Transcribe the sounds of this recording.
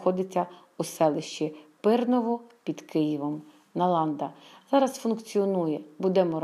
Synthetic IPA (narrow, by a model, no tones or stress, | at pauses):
xɔd̪ɪt͡sʲːɐ | usɛlˠɪʃt͡ʃipɪrnɔʋɔpʲid̪kɪjiʋɔm | nɐlˠɑnd̪ɐz̥ɑɾɐsfʊnkt͡sʲiɔnujɛbud̪ɛmɔɾ